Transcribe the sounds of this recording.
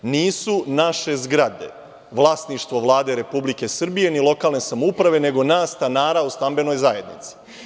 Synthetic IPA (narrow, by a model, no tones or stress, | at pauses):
niːsunaʃe̞zɡɾad̪e̞̰ | ʋlˠaːsniʃt̪ʋo̞ʋlˠaːd̪e̞ɾe̞publike̞srbije̞nilˠo̞kaːlˠne̞samoupɾaʋe̞ne̞ɡo̞naːsːt̪anaːɾaust̪ambe̞no̞jzajed̪nḭt̪si̥